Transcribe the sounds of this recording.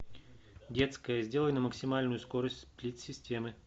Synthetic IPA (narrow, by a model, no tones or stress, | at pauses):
dʲe̞t̪skəjəzʲdʲe̞lˠəjnəməksʲɪmalʲnʊjʊsko̞ɾəsʲtʲsplʲit̪ʲsʲɪsʲtʲe̞mɨ